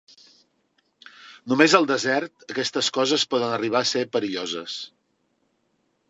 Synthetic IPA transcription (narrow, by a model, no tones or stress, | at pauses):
numezəlˠd̪əzɛrt̪əkɛst̪əskɔzəspɔðənəriβ̞aːsepəɾiʎozə̰s